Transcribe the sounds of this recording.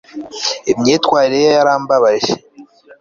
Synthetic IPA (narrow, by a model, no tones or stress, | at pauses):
emɲeːtwaːɾiɾejaɾaːmbaβaʒe̥